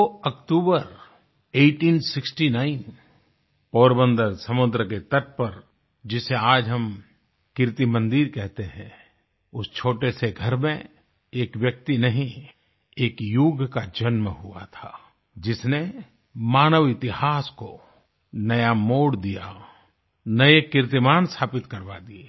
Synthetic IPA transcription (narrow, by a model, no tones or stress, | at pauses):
oɐkʈuːbəɾ | eːʈiːnsɪksʈinaːɪn | poːɾbə̃nd̪əɾsɐmʊd̪ɾəket̪ɐt̪̚pɐɾ | d͡ʒɪseaːd͡ʒɦɐm | kɪɾt̪imə̃nd̪iɾkɛɦt̪eɦɛ̃ | ʊst͡ʃʰoːʈeseɡʱɐɾmẽ | eːkʋjək̚t̪inɐɦĩ | eːkjuːɡkad͡ʒɐnməɦua̰t̪ʰaː | d͡ʒɪsne | maːnəʋɪt̪ɪhaːsko | nɐjamoːɽd̪ija | nɐekɪɾt̪imaːnsʰaːpɪt̪kɐɾbad̪ie